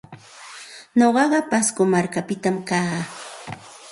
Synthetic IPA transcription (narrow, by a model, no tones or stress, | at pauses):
ɲoɢɑɢɑpaskomaɾkapɪt̪amkaː